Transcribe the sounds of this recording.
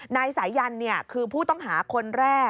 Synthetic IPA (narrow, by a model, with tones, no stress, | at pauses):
na˧jsa˩˦jːa˧nːi˥˩ɐkʰɯː˧pʰuː˥˩t̪ɔ˥˩ŋɦaː˩˦kʰo˧nɾɛː˥˩